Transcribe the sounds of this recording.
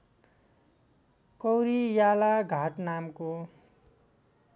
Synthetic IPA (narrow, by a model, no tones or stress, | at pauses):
kʌwɾijalaɡʱaʈnamko